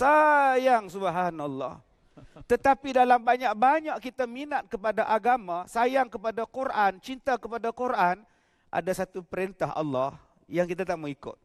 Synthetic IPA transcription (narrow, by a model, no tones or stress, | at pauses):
sajaŋsubɦanalːɔ̰h | t̪ət̪apidalambaɲak̚baɲaʔkit̪aminat̪̚kəpadaʔaɡamãsajaŋkəpadakuɾʔant͡ʃint̪akəpadakuɾʔan | ʔa̰dasat̪upəɾent̪aɦɑ̰lːɔh | jaŋkit̪at̪aʔməŋikʊ̰t̪̚